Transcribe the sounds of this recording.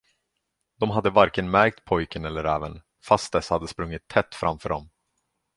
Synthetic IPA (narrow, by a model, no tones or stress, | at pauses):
d̪̥ɔmɦad̪ːəvaɾkənmæɾk̚t̪̚pʰɔjkənɛlːəɾɛːvən | fast̪̚d̪ɛshad̪ːəspɾɵŋːɪt̪ʰːɛt̪ːfɾa̰mfœːɖɔm